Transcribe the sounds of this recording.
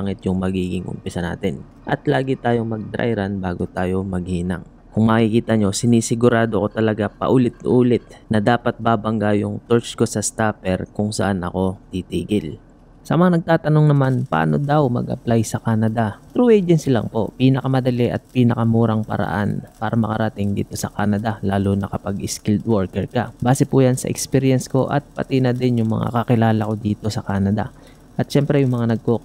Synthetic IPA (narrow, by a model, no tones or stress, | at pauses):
aŋɪt̪jʊŋmɐɡiːɡɪŋʔʊ̰mpɪsɐna̰ːt̪ɪn | ʔɐt̪laːɡɪt̪aːjo̞mɐɡ̚d̪ɾʔa̰jɾanbaːɡot̪aːjo̞mɐɡ̚hiːnɐ̰ŋ | kʊŋmɐkikiːt̪ɐɲo̞sɪniːsɪɡʊɾaːd̪oko̞t̪ɐlɐɡapɐ̰ʔuːlɪt̪̚uːlɪt̪̚nɐd̪aːpɐt̪̚baːbɐŋɡajʊŋt̪oɹt͡ʃko̞sɐst̪aːpɛɾkʊŋsɐʔanʔɐ̰ko̞t̪it̪iːɡɪl | sɐmɐŋanɐɡ̚t̪aːt̪ɐno̞ŋnɐmanpɐʔa̰ːno̞d̪awmɐ̰ɡɐ̰plajsɐkaːnɐd̪at̪ɾuʔɛd͡ʒɛnsilɐ̰ŋpo̞̰ʔpiːnɐkɐmɐd̪ɐlɛʔɐ̰t̪̚piːnɐkɐmuːɾɐŋpɐ̰ɾɐ̰ʔa̰npaːɾɐmɐkɐɾɐt̪ɪŋd̪ḭːt̪o̞sɐka̰ːnɐd̪ɐlaːlonɐkɐpaɡɪskild̪woɹkɛɹkɐbaːsɛpujansɐ̰ʔɛ̰kspiɾjɛnsko̞ʔɐ̰t̪̚pɐ̰t̪ɪnɐd̪ɛnjʊŋmɐ̰ŋa̰kɐkɪlaːlɐko̞d̪iːt̪o̞sɐkaːnɐd̪ɐ̰ | ʔɐt̪̚ʃɛmpɾɛjʊŋmɐŋanɐɡ̚ko